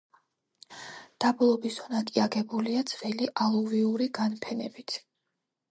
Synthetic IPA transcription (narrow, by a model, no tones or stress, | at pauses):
d̪̥ablˠɔbisɔnakʼiaɡɛbuliad̪z̥vɛliʔalˠuviuɾiɡanpʰɛnɛbit̪ʰ